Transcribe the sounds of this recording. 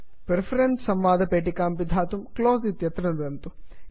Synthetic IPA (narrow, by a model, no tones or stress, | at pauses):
pɾepʰɐɾenssɐmʋaːd̪ʱɐpeːʈikaːmpid̪ʱaːt̪umkloːzit̪jɐt̪ɾɐnd̪ɐnt̪u